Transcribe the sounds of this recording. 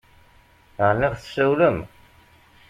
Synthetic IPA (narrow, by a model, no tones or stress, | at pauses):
əʁniʁθsæwləm